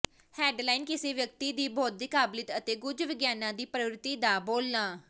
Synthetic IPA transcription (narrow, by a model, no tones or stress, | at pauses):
hɛːɖlaːinkɪseːʋjək̚t̪iːd̪iːbɔːt̪̚d̪ɪkaːblɪt̪ət̪eːɡʊd͡ʒʋɪɡjaːnãːd̪iːpɾəʋɾɪt̪iːd̪aːboːlnaː